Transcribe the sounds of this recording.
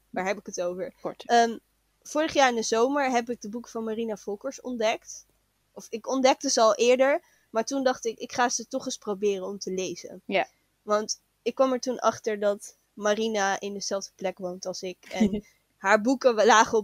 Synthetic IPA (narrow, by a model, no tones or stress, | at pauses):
daːɹɦɛpɪkətowvəɹəm | fʊːrəχjaːɹɪndəzowməɹɦɛp̬ɪɡ̚dəbukə̥vɑnmarinafɔlˠkəɹsɔ̰ndɛkt | ɔfɪkɔndɛk̚təzəɑlˠʔɪːɹdəɹ | maːɹtundɑχtɪkɪkχaːzətɔχəsprobɪːrənɔmtəlejzə̰ | ʋɑnt | ɪkːʋɑmɛɹtunʔɑ̰χtəɹdɑt | marinaʔɪndəzɛlˠfdəplɛkʋowntɑlˠsɪkɛn | ɦaːɹbukəlaːχəɔ